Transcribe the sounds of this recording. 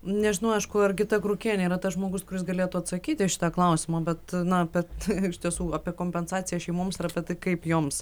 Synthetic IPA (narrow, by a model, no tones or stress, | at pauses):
nʲɛʒʲɪnɐʊɐɪʃkʊɐrɡʲɪt̪ɐkɾukʲiɛnʲɛiɾɐt̪ɐsʒmoːɡʊskʊɾʲɪsɡɐlʲeɛt̪uːɐt̪sɐkʲiːt̪ʲɪʃʲɪ̥t̪ɑːklˠɐʊsʲɪmɑbʲɛt̪nɐɐpʲɛɪʃʲt̪ʲiɛsuːɑpʲiɛkoːmʲpʲɛnsɑːt͡sʲɪjɛʃʲɛɪmoːmsɪɾɐpʲɛt̪ɐɪkɐɪpjoːms